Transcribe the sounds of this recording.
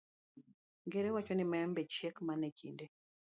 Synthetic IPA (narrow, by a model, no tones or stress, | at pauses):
ŋɡeɾewat͡ʃɔnɪmaɛmbet͡ʃekmanɛkʰḭnde